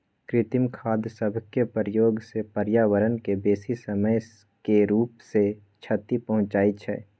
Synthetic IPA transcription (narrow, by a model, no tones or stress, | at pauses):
kɾɪt̪ɪmkʰaːd̪səbʱkepəɾjoːɡsepəɾjaːʋəɾənkebeːsisəməj | keɾuːpse | t͡ʃʰət̪ipɐɦʊ̃t͡ʃaːit͡ʃʰɛ̰ː